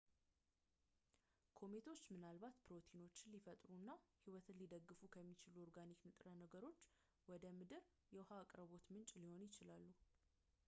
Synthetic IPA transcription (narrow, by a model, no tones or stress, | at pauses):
kʰo̞met̪ʰo̞t͡ʃːmɨnalbat̪pʰɨɾo̞t̪ʰino̞t͡ʃːɪnlifət̪ʼɾunːahiwɔt̪ʰɨnlid̪əɡːɨfukʰəmːit͡ʃɪluoɾɡaniknɨt̪ʼɾənəɡəɾo̞t͡ʃː | wɔd̪əmɨd̪ɨɾ | jɛwhaːkʼɾəβo̞t̪mɨnt͡ʃʼliho̞njɪt͡ʃɪlalːu